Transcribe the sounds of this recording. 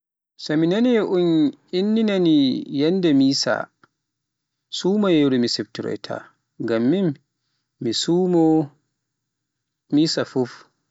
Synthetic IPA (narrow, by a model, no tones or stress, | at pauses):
sɔminaniʔunʔinːinanijɛndɛmiːsa̰ | sumajeɾumisɛftuɾɔ̰jtʰa̰ | ŋɡamːimː | isumɔ | miːsafuf